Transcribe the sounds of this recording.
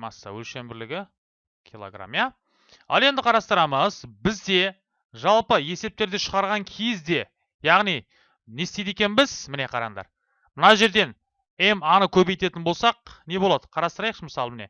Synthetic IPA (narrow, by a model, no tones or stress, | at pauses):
mɑsːə̰wɵ̰lʃe̞mbɪɾlɪɡʲɪ | kʲʰilˠo̰ɡra̰mija | ɑ̰lˠe̞nd̪ɪqʰɑɾɑst̪əɾɑməzbɪzd̪e̞ | ʒɑlˠpəe̞se̞p̚t̪e̞ɾd̪eʃəʁɑɾʁɑŋkʲʰejɪzd̪e̞ | jɑʁnij | ne̞st̪ed̪e̞kʲe̞nbɪz̥mɪne̞qʰɑɾɑ̰ɴd̪ɑ̰ɾ | mənɑʒe̞ɾd̪e̞n | e̞mɑnəkʲʰɵbejt̪e̞t̪ɪnbo̞lˠsɑq̚ne̞bolˠɑd̪ə̥qʰɑɾɑst̪əɾɑjqʃəməsɑlˠəmɪne̞̰